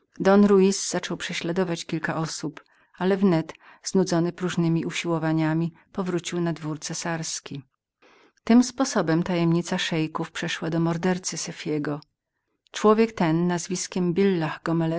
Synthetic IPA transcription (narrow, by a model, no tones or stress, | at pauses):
d̪ɔnɾuizz̥at͡ʂɔwpʂɛɕlad̪ɔvat͡ɕkʲilkaʔɔsup | alɛvnɛt̪z̥nud̪zɔnɘpɾuʐnɘmʲiʔuɕiwɔvaɲamʲi | pɔvɾut͡ɕiwnad̪vuɾt̪sɛsaɾskʲi | t̪ɘmspɔsɔbɛmt̪ajɛmɲit̪saʂɛjkufpʂɛʂwad̪ɔmɔɾd̪ɛɾt̪sɘsɛfʲjɛɡɔ | t͡ʂwɔvʲjɛkt̪ɛnːazvʲiskʲɛmbʲilːaxɡɔmɛlɛ